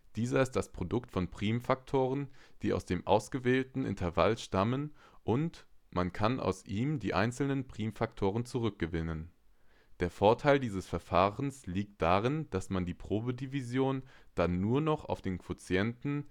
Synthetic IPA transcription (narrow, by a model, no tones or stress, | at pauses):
d̥iːzɐɪst̚d̥aspʁ̥odʊktfɔnpʁ̥iːmfak̚tʰoːʁənd̥iːʔa̰ʊsd̥eːmʔa̰ʊsɡ̥əveːltn̩ʔɪ̰ntʰɛɐva̰lʃtamənʔʊntmankʰanʔa̰ʊsʔiːmdiːʔa̰ɪnt͡sl̩nənpʁ̥iːmfak̚tʰoːʁ̞ənt͡suʁ̞ʏk̚ɡ̥əvɪnən | d̥eːɐfoːɐtʰaɪldiːzəsfɛɐfaːʁənsliːk̚t̚d̥aːʁɪnd̥asmandiːpʁ̥oːbədivizjoːnd̥anːuːɐnɔχa̰ʊfd̥eːnkʰv̥ot͡sjɛntn̩